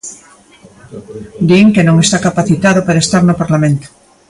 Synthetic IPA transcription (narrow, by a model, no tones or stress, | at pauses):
d̪ieŋkenõŋest̪akapaθit̪aðopaɾaest̪aɾnopaɾlamẽnt̪o̥